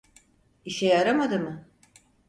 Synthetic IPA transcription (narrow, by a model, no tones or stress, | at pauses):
iʃɛjaɾamad̪ɯmɯ